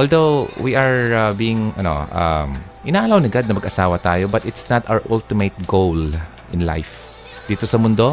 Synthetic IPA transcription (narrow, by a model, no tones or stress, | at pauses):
ʔold̪owwiʔɐɹabiːɪŋɐ̰no̰ʔɐ̰m | ʔɪnaːʔɐlawnɪɡad̪̚nɐmɐɡʔɐsaːwɐt̪aːjobɐt̪ʔɪt̪snat̪ʔawəʔʊlt̪ɪmet̪̚ɡowl | ʔɪ̃nla̰jf | d̪̥iːt̪o̞sɐmʊnd̪o̞